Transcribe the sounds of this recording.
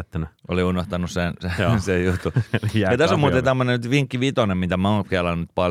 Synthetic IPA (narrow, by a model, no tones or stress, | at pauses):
t̪ːænæ | oliunoht̪ɑnussensesejjut̪ːujɑt̪æssomuːt̪ent̪æmːonenyt̪ʋiŋkːiʋit̪onemmit̪æmæoːˑŋkeɑlɑnnyt̪̚pɑ